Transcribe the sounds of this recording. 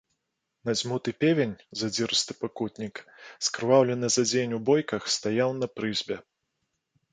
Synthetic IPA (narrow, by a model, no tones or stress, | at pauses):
nazʲmut̪ɨpʲevʲenʲzad͡zʲiɾɨst̪ɨpakut̪ʲnʲikskɾɨvawlʲɛnɨzad͡zʲenʲubɔjkɐxst̪ajawnɐpɾɨzʲbʲɛ